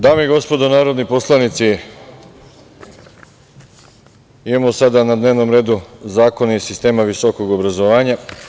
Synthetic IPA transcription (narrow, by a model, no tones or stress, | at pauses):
d̪aːmeiɡo̞spo̞d̪onaːɾo̞d̪nipo̞slˠanit̪si | imamosad̪anad̪neʋno̞mɾe̞ːd̪uzaːko̞naisist̪e̞ːmaʋisoko̞ɡobɾazo̞ʋaːɲa